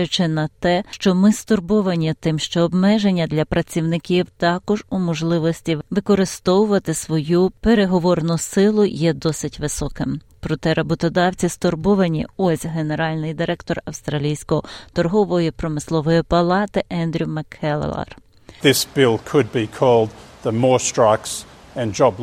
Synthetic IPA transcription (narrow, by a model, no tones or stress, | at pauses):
jʊt͡ʃɪnɐt̪ɛʃt͡ʃɔmɪst̪ɔrbɔʋɐnʲit̪ɪmʃt͡ʃɔːbmɛʒenʲːɐd̪lʲɐpɾɐt͡sʲiwnɪkʲiwt̪ɑkɔʒumɔʒlˠɪʋɔsʲtʲiʋɪkɔɾɪst̪ɔwʊʋɐt̪ɪsʋɔjupe̞ɾe̞ɦɔʋɔrnʊsɪlˠʊjɛd̪ɔsɪtʲʋɪsɔkɪm | pɾɔt̪ɛɾɐbɔt̪ɔd̪ɑwt͡sʲist̪ɔrbɔʋɐnʲḭɔsʲɦene̞ɾɑlʲnɪjd̪ɪɾɛkt̪ɔrɐwst̪ɾɐlʲijsʲkɔɔt̪ɔrɦɔʋɔjipɾɔmɪslˠɔʋɔjipɐlˠɑt̪ɪʔɛnd̪ɾʲumɐkʰɛl̰ˠlˠɐ̰r | ðɪsb̥ɪlˠkʰɨd̚bikʰɔlˠd̪̚ðəmɔɹstɹ̥aɪks | ɨ̃nd͡ʒɑb